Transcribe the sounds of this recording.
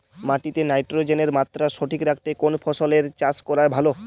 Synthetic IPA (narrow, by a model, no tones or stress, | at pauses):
maʈit̪enajʈɾod͡ʑeneɾmat̪ːɾaʃoʈʰikɾakʰt̪ekonfʰɔʃoleɾt͡ɕaskɔɾaɾbʱalo